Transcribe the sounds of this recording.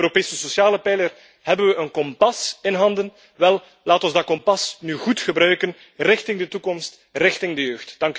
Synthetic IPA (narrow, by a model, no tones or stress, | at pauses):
øɾopeːsəsosjaːləpɛjlər | hɛbənʋəʔənkɔmpɑsɪnɦɑndən | ʋɛlˠ | laːtɔnzdɑkɔmpɑsnyɣutxəbɾœɥkən | rɪxtɪŋdətukɔmst | rɪxtɪŋdəjøːxtd̥ɑŋk